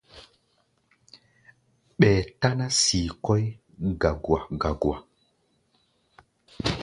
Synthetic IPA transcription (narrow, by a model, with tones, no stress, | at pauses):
ɓɛː˨ta˦na˦siː˨kɔ˦j | ɡa˨ɡwa˨ɡa˨ɡwa˨